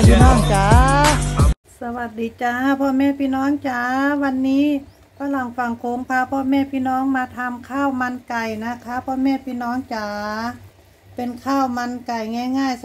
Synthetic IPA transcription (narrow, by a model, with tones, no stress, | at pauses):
pʰiː˧˨nɔː˧˩ŋt͡ɕaː˨˩ | sa˧wa˨˩t̪̚diː˨˦t͡ɕaː˧pʰɔː˧mɛː˧˥˨pʰiː˧˥˨nɔː˧˥ŋt͡ɕaː˧˩wa˧nːiː˧˥˨ | pʰaː˧˥˨la˨˩ŋfa˧˩ŋkʰo˨˧˦ŋpʰaː˧˨pʰɔː˧˨mɛː˧˥˨pʰiː˧˨nɔː˧˥˨ŋmaː˧t̪ʰa˧mkʰaː˧˥˨wma˧nka˨˩jna˧˩kʰa˧˥pʰɔː˧˨mɛː˧˥˨pʰiː˧˨nɔː˧˥ŋt͡ɕaː˨ | pe˨nkʰaː˧˩wma˧nka˨˩jŋɛː˧˥˨ŋaː˧˩j